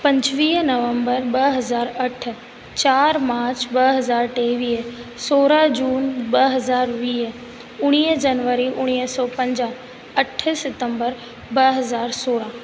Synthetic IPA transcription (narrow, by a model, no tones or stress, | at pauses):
pɐ̃ɲd͡ʑʋiːnɐʋə̃mbəɾɓɐɦɐzaːɾɐʈʰ | t͡ɕaːɾmaːɾt͡ɕbɐɦɐzaːɾʈeːʋiːsoːɾad͡ʒuːnbɐɦɐzaːɾʋiːɦ | ʊɽ̃iːɦd͡ʒɐnʋəɾiʔʊɽ̃iːɦsɔːpɐ̃ɲd͡ʑã | ɐʈʰsɪt̪ə̃mbəɾ | bɐɦɐzaːɾsoːɽã